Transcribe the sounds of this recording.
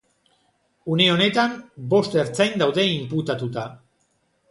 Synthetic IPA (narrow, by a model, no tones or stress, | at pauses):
une̞o̞ne̞t̪ambo̞st̪e̞ɾt͡sajnd̪awðe̞imput̪at̪ut̪a